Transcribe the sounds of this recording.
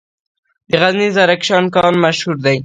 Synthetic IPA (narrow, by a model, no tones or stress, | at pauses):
d̪əɣaznizaɾakʃɑnkɑnmaʃhuɾd̪aj